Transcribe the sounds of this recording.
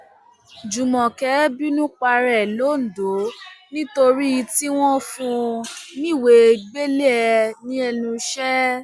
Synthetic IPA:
d͡ʒu˨mɔ̃˨kɛ˨˦bi˦nũ˦k͡pa˧ɾɛ˨lo˨˦˨n̩˨do˨˦nĩ˦to˧ɾi˦i˧ti˦w̃ɔ̃˦fũ˦˧nĩ˦˨we˨˧ɡ͡be˦le˦ɛ˧nĩ˦ɛ˧nũ˧ʃɛ˦

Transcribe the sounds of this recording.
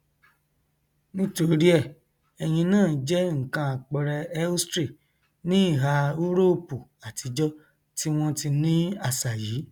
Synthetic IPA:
nĩ˦to˧ɾi˦ɛ˦˨ | ɛ˨j̃ĩ˧nãː˦˨˦d͡ʒɛ˦ŋ̩˨kã˧a˨k͡pɛ˧ɾɛ˧ɛ˦u˦stɾe˦˨ | nĩ˦i˦˨ɦa˧u˦ɾo˦˨pu˨a˨ti˧d͡ʒɔ˦ | ti˦w̃ɔ̃˦ti˧nĩ˦a˦˨sa˨jiː˨˦

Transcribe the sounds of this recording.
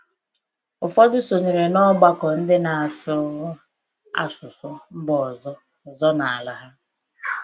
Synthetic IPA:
ʊ˨fɔ˦dʊ˦so˨ɲe˨ɾe˨nɔ˦ɡ͡ba˦kɔ˨n̩˦dɪ˦na˨a˨sʊ˦ | a̰˦sʊ˨sʊ˦m̩˦bɔ˨zɔ˦˨ | zɔ˦na˨a˨la˨ɦa˦

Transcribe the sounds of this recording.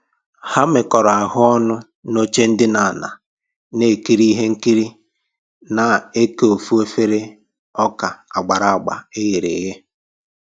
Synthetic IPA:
ha˦mɪ˨kɔ˨ɾɔ˨a˨ɦʊ˦ɔ˦nʊ˦ | no˦t͡ʃe˦n̩˦dɪ˦na˨na̰˨ | ne˨ki˦ɾi˦ɦe˦ŋ̩˦ki˦ɾi˦ | na˨e˦ke˦o˨fu˦e˦fe˦ɾe˦ | ɔ˦ka˨a˨ɡ͡ba˨ɾa˨a˨ɡ͡ba̰˨e˦ɣe˨ɾe˨ɣe˦

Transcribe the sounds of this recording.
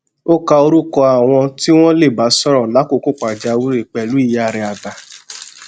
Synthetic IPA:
o˦ka˧o˧ɾu˦kɔ˧a˨w̃ɔ̃˧ti˦w̃ɔ̃˦le˦˨ba˨˦sɔ˦ɾɔ̃˨la˨˦ko˦˧˨ko˦˨k͡pa˨d͡ʒa˧wu˦i˦˨k͡pɛ˨lu˨˦i˦˨ja˨˦˨ɾɛ˧a˨ɡa˨

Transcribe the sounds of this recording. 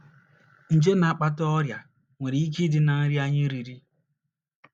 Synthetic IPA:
n̩˨d͡ʒe˦na˨a˨k͡pa˦tɔ˦ɾja˨ | ŋʷe˨ɾe˨i˦k̬i˦dɪ˦na˨ŋ̩˦ɾi˦a˦ɲɪ˦ɾi˨ɾi˦

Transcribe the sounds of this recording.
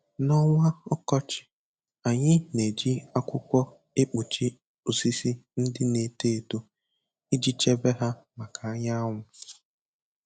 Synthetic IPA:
nɔ˦ŋʷa˦ɔ˦kɔ˦t͡ʃɪ̥˨ | a˨ɲɪ˦ne˨d͡ʒi˦a˦kʷʊ˦kʷɔ˦ | e˦k͡pu˨t͡ʃi˦ | u˨si˦si˦n̩˦dɪ˦ne˨te˦˨to˦ | i˦d͡ʒi˦t͡ʃe˦be˦ɦa˦ma˨ka˨a˦ɲa˦ŋʷʊ˨

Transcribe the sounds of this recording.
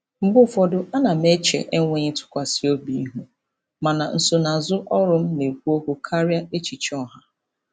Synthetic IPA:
m̩˦bʊ˦fɔ˨dʊ˨ʔa˦na˨m̩˦e˦t͡ʃḛ˨ʔe˦ŋʷe˦ɲe˦tʊ̥˦kʷa˨si˨˦o˦bi˨˦i˦ɦu˦ | ma˨na˨n̩˨so˨na˨zʊ˦ʔɔ˦ɾʊ˦m̩˦ne˨kʷu˦o˦ku˦kʰa˦ɾja˦e˦t͡ʃi˨t͡ʃɔ˦ɦa˦

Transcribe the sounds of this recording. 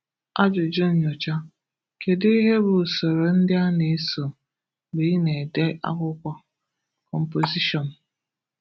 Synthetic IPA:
a˦d͡ʒʊ˨d͡ʒʊ˦n̩˨ɲo˨t͡ʃa˦ | ke˨di˦ɦe˦bʊ˨so˨ɾo˨n̩˦dɪ˦a˦ne˨˦so˨ | bi˨˦ne˨de˦ʔa̰˦kʷʊ˦kʷɔ˨ | kɔ˨m̩˨po˨zi˦ʃɔ˨n̩˨

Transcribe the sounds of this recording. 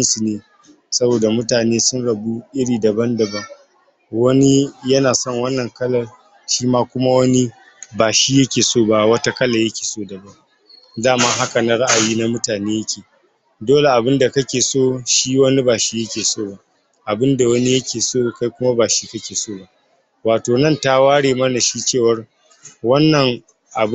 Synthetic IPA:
ɐ˦nsu˨neː˨ | sɐ˦boː˨da˨mʊ˦taː˨neː˦sʊ˦nɽɐ˨bu˦ʔɪ˦ɽiː˨dɐ˨bɐ˦ndɐ˨bɐ˦ŋ | wɐ˦ni˦jɐ˦naː˨sɔ˦˨ŋwɐ˦nːɐ˨ŋkɐ˦lɐ˨ | ʃiː˦maː˦kʷʊ˦ma˦wɐ˦ni˦ | baː˨ʃiː˦jɐ˦kʲeː˨soː˦˨ba˦wɐ˦ta˦kɐ˦la˨jɐ˦kʲe̥ː˨soː˦˨dɐ˨bɐ˦ŋ | zaː˦˨maː˦ɦa˦ka˨na˦ɽa˦ʔa˨jiː˦na˦mʊ˦taː˨neː˦jɐ˦kʲʰeː˨ | doː˦le˨ʔa˨bɪ˦nda˨kɐ˦kʲeː˨soː˦˨ʃiː˦wɐ˦ni˦baː˨ʃiː˦jɐ˦kʲeː˨soː˦˨ba˦ʔ | ʔa˨bɪ˦nda˨wɐ˦ni˦jɐ˦kʲeː˨soː˦˨ka˦jkʷʊ˦ma˦baː˨ʃiː˦kɐ˦kʲeː˨soː˦˨ba˦ʔ | waː˨toː˨nɐ˦nta˦waː˦ɽeː˨mɐ˦na˨ʃiː˦t͡ʃeː˦˨wɐ˦r | wɐ˦nːɐ˨ŋ | ʔa˨˦

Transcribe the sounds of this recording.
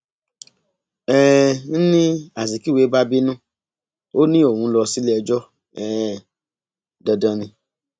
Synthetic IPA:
ɛ˦n̩˦nĩ˦a˨zi˨ki˦˨we˨˦ba˦bi˦nũ˦ | o˦nĩ˦o˦˨wũ˧˦lɔ˧si˦lɛ˦ɛ˧d͡ʒɔ˦ | ɛ˨ | dɔ˧dã˧nĩ˧

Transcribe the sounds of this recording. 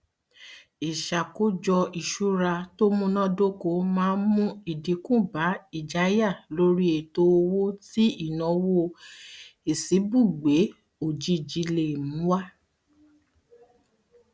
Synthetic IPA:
i˨ʃa˨ko˦d͡ʒɔ˧i˨ʃu˨˦ɾa˧to˦mũ˦nã˦do˦ko˧˦mãː˨˦mũ˦i˨di˨˦kũ˦˨ba˨˦i˦˨d͡ʒa˨˦ja˦˨lo˦ɾi˦e˨to˧˦o˧wo˦ti˦i˦˨nɔ̃˨˧˦wo˦ | e˨si˨˦bu˦˨ɡ͡be˨˦ | o˨d͡ʒi˧˨d͡ʒi˨˧˦le˨mũ˨˦wa˦

